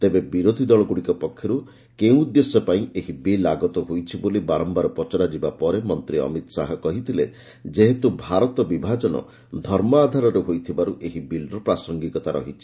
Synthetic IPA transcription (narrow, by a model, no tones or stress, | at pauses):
t̪ebebiɾod̪ʱid̪ɔɭɔɡuɽikɔpɔkʰːjɔɾu | keũud̪jesɔpaĩʔeɦibilaɡɔt̪ɔɦojt͡ʃʰibolibaɾɔmbaɾɔpɔt͡ʃɔɾad͡ʒibapɔɾemɔnt̪ɾiɔ̰mit̪sa̰ɦɔkɔɦit̪ʰile | d͡ʒeɦet̪ubʱaɾɔt̪ɔbibʱad͡ʒɔnɔ̰ | d̪ʱɔɾmɔaːd̪ʱaɾɔɾeɦojt̪ʰibaɾuʔeɦibilɾɔpɾasɔŋɡikɔt̪aɾɔ̰ɦit͡ʃʰi̥